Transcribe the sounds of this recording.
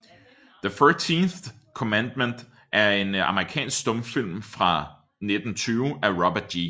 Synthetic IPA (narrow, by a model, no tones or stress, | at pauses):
ðəføːt͡sʰinθ | kʰomænd̥mend̥ | ʔæɐe̝nɑ̈məʁikʰɛ̰ːnsɡ̥sd̥ɔ̽mfil̰mfʁɑ̈ | ned̥n̩t͡sʰyːʊʔæʁɒb̥ɐd̥ji